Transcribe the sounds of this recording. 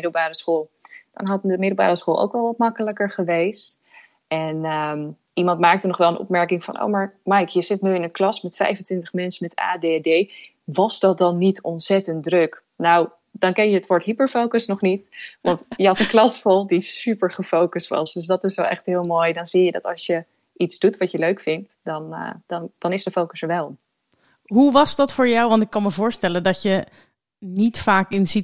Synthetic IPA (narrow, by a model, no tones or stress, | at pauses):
ɪdəlˠbaːrəsχoːlˠd̥ɔ̰nɦɑtəmɪdl̩ˠba̰ːɾəsχoːlˠʔo̰wkʋɛlˠʋɑt̚mɑkələkəɹχəʋejst | ɛnəm | ʔimɑntmaːk̚tənɔχʋɛlˠənɔ̰pmɛɹkɪŋfɑ̰nʔo̰wmaːɹmɛjkjəzɪtnyɪnənklɑsmɛtfɛ̰jfəntʋɪntəχmɛnsəmɛta̰ːdeɛdej | ʋɑzdɑt̚dɑnːitʰɔnsɛtəntdrɵk | naw | dɑnkɛnjəətʋɔɹtɦipəɹfowkəsnɔχnitʋɑntjəɦɑtənklɑsfɔlˠdisypəɹχəfowkəstʋɑ̰sdøsdɑtɪsʋɛlʔɛ̰χtɦɪːlˠmoːjdɑnzijədɑ̰tɑ̰ʃjə | ʔitzdutʋɑtjəløɥkfɪnt | dɑn̰d̥ɑnd̥ɑnɪsdəfowkəsəɹʋɛlˠ | ɦuʋɑzdɑtfʊːɹjawʋɑntɪkːɑnməvʊːɹstɛləndɔtjə | nitfaːkɪnzit